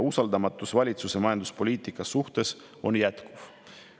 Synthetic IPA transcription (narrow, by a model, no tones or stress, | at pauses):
usɑld̪ɑmɑt̪ːˑusvɑlʲit̪suse̞mɑjɑnd̪uspo̞lʲiːt̪ˑikːˑɑsuht̪e̞s | o̞njæt̪kuv̥